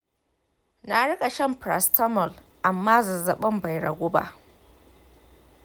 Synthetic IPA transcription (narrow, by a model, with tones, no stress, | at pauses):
na˨ɽʊ˦kʼa˨ʃɐ˦˨mpɾa̰˨stɐ˦mɔ˨l | ʔa˨mːaː˦zɐ˨zɐ˨ɓɐ˦mba˨jɽɐ̰˨ɡʷʊː˦ba̰˦ʔ